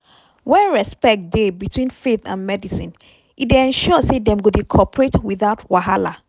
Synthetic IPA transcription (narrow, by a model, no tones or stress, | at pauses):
wɛɹɛspɛk̚t̚debitʰwĩnfeθã̰nmɛdisĩn | ideɛ̃nʃɔsedɛ̃mɡodekʰɔpɹetwiðaʊtwaɦala